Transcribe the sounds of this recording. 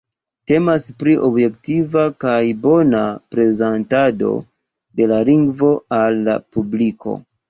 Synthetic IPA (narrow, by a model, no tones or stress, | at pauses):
te̞maspɾiʔo̞bje̞ktivakajbo̞napɾe̞zantado̞̰ | de̞laliŋɡvo̞alːa̰publikʰo̞̰